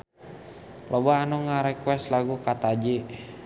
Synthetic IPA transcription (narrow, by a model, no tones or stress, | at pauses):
lɔbaːnɔŋaɾɛkwɛst̪laɡukat̪ad͡ʒi